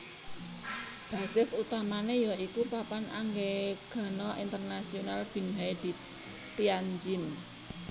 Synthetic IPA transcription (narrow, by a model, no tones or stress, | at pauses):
b̥a̤sɪsut̪amanejaikupapana̰ŋɡeɡ̥a̤nɔʔint̪ərnasionalb̥i̤nɦajd̪̥i̤ | t̪iaɲd͡ʒɪn